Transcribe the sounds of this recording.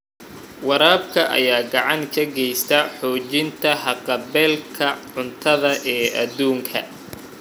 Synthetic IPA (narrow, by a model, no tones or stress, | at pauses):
wɑɾaːb̚kʰɐʔɐ̰jaːɡɑʕɑŋkʰɐɡɛjst̪ʰɐħɔːt͡ʃɪnt̪ʰɐhɑqɑbɛːlkʰɐʕʊnt̪ʰɐðɐʔɛːʔɐd̪uːŋkʰɐ̰